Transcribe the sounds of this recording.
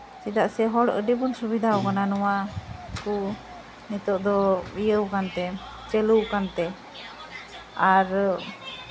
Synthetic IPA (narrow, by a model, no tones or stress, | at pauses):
sid̪aʔsɛɦɔɽə̰ɖibunsubid̪ʱaɔkananɔwaku | nit̪ɔʔd̪ɔbijəwkant̪ɛ | t͡ʃɛluwkant̪ɛ | aɾ